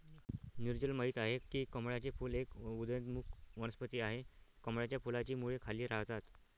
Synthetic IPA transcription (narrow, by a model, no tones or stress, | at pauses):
niɾd͡ʑəlməɦiːt̪aɦekiːkəmɽat͡ɕefuːlekud̪ənt̪mukʰʋəɽəspət̪iːaɦekəmɭat͡ɕjafulat͡ɕiːmuɭekʰaliːɾaɦd͡zat̪